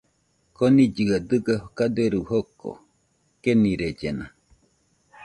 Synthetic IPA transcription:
konid͡ʒiad̪ɨɡahokad̪eɾuhoko̰ | keniɾed͡ʒena

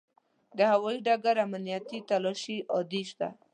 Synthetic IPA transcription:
d̪əhawɔiɖaɡaɾamnijat̪it̪alɔʃiʔɔd̪iʃt̪a̰

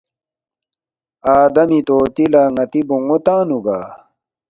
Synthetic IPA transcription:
aːd̪ɐmit̪oːt̪ilaŋɐt̪ibuŋot̪ãːnuɡaː

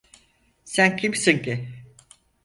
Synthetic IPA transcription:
sæncʰimsinci

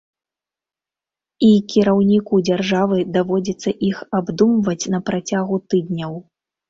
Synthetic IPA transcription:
ikʲiɾawnʲikud͡zʲarʐavɨd̪avɔd͡zʲɐt̪sːɐʔixabd̪umvɐt͡sʲnɐpɾat͡sʲaɣut̪ɨd̪̚nʲɐw

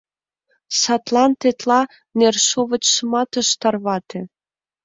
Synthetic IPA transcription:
sɑt̪lɑnt̪et̪lɑ | nerʃoβə̆t͡ɕʃəmɑt̪ə̆ʃt̪ɑrβɑt̪ʰe

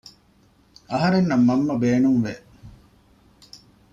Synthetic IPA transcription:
ɐɦɐɾenːɐmːɐmːɐbeːnuŋʋe

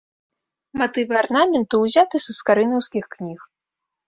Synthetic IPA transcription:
mat̪ɨvɨarnamʲɛnt̪ɨwzʲat̪ɨzɨskaɾɨnʲɔwskʲixknʲix

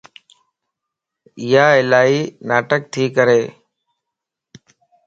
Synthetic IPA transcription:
ɪjaːɪlaːiːnaːʈək̚t̪ʰiːkəɾeː

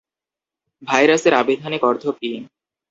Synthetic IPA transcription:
bʱajɾaseɾabed̪ʱonikɔɾd̪ʱopi

